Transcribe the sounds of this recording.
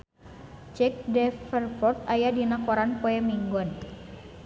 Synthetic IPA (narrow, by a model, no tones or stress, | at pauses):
t͡ʃɛk̚dɛfərfɔrt̪̚ajadinakɔɾanpɔɛmiŋɡɔn